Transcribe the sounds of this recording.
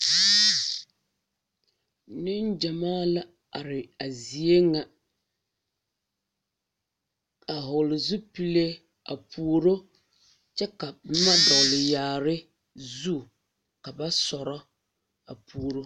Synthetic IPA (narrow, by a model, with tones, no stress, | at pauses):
nɪ˦n˦d͡ʒa˨maː˦la˦ | a˨ɾɪ˨a˨zi˨e˦ŋa˨ | a˨ɦʊ˨lɪ˨zu˦pi˦le˦ | a̰˨pʰuː˨ɾo˦ | t͡ʃɛ˦ka˨m̩˦ma˦dɔ˨ɣlɪ˨jaː˨ɾɪ˦ | zu˦ | ka˨ba˦sɔ˨ɾɔ˦ | a̰˨puː˨ɾo˦